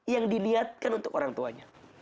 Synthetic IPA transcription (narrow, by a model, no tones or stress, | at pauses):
jaŋdiliat̪̚kanunt̪ʊkoɾaŋt̪uaɲa